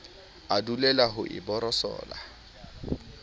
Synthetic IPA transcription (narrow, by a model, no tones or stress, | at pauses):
adulɛlaɦʊʔɪ̰bɔɾɔsɔ̰ːla